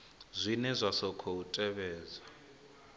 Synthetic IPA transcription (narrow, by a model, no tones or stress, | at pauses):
zʷinɛzʷasɔkʰɔutʼɛβɛːza